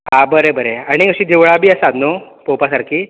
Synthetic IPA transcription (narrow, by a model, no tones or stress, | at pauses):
abəɾebəɾeaɽ̃iəɕiːd̪iʋɭabʱiːəsad̪nopopasaɾkʰiː